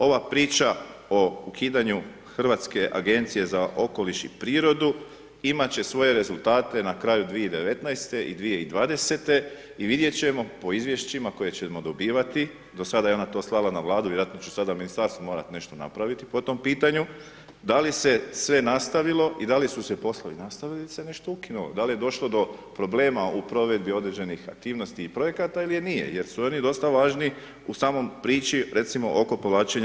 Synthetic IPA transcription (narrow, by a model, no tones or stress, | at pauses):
o̞ʋapɾiːt͡ʃao̞ukʰiːd̪aɲu | xr̩ʋat̪ske̞ʔaɡe̞nt̪sije̞zaʔo̞ko̞liʃḭpɾiːɾo̞d̪u | imat͡ɕe̞sʋo̞je̞ɾe̞zulˠt̪aːt̪e̞nakɾaːjud̪ʋije̞id̪e̞ʋe̞t̪najst̪e̞ʔid̪ʋije̞id̪ʋaːd̪e̞se̞t̪e̞ | iʋid̪je̞t͡ɕe̞mo̞po̞izʋje̞ʃt͡ɕimako̞je̞t͡ɕemo̞d̪o̞biːʋat̪i | d̪o̞sad̪ajeo̞nat̪o̞ːslˠalˠanaʋlˠaːd̪uʋjeɾat̪no̞t͡ʃu̥sad̪aminist̪aɾst̪omo̞ɾat̪ine̞ʃt̪o̞na̰pɾaʋit̪i̥pot̪o̞mpiːt̪aɲu | d̪alise̞sʋe̞nast̪aʋilo̞ʔid̪alisusepo̞sloʋinast̪aʋilisene̞ʃt̪o̞ukinulo̞̰d̪alije̞d̪o̞ʃlo̞d̪o̞pɾo̞ble̞ːmaupɾo̞ʋe̞d̪bio̞d̪ɾed͡ʑe̞nixa̰k̚t̪iːʋno̞st̪iːpɾo̞je̞kat̪ailijenijḛje̞ɾsuo̞nid̪o̞st̪aʋaːʒni | usaːmo̞mpɾiːt͡ʃiɾʔe̞t̪simo̞ʔoko̞poʋlaːt͡ʃeɲ